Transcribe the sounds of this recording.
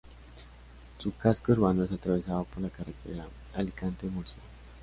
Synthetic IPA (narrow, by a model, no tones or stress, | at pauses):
t͡sukaskəɾband̪əsat̪ɾaʋesaʋapolakaɾat̪ḛɾa | alikant̪emuɾsa